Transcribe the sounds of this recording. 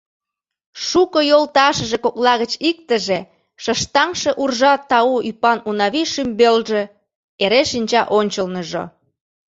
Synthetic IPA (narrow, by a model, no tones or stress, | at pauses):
ʃukojolt̪ɑʃə̆ʒekoklɑɣət͡ɕik̚t̪əʒe | ʃə̆ʃt̪ɑŋʃĕʔurʒɑt̪ːɑuʔypɑnunɑβiʃymbelʒe | eɾeʃinʲt͡ɕɑʔonʲt͡ɕəlnəʒo̰